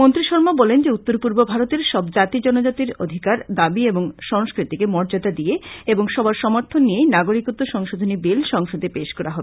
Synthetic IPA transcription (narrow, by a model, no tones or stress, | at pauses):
mont̪ɾiʃɔɾmobɔlend͡ʑeut̪ːoɾpuɾbobʱaɾot̪eɾʃɔbd͡ʑat̪id͡ʑɔnod͡ʑat̪iɾod̪ʱikaɾd̪abieboŋʃɔŋskɾit̪ikemɔɾd͡ʑad̪ad̪ieeboŋʃɔbaɾʃɔmoɾt̪ʰonːienaɡoɾikut̪ːoʃɔŋʃod̪ʱonibelʃɔŋʃod̪ʱepeʃkɔɾaɦɔbee